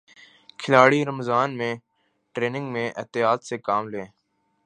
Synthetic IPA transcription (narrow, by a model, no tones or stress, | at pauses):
kʰɪlaːɽiːɾəmzaːnmẽː | ʈɾeːnɪ̃ŋɡmẽːʔɪ̰ːt̪ɪjaːt̪seːkaːmleː